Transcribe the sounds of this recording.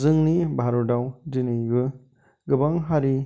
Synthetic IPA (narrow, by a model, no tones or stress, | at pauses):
zɯŋnibʱaɾɔdawdinejɡɯ | ɡɯbaŋɦaɾi